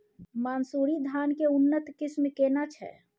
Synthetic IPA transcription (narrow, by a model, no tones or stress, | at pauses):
maːnsuːɾid̪ʱaːnkeʊnːət̪kɪsmkeːnat͡ʃʰɛ̰